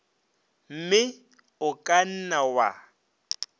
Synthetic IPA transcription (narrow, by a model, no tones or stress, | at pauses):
m̩mɪ | ʊkʼan̩nawa̰